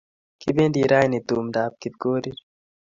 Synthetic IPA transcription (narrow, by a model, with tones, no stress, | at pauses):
ki˦be˦nd̪i˨ɾaː˦ne˨t̪u˨md̪aː˨b̚ki˨b̚ɡoː˦ɾiɾ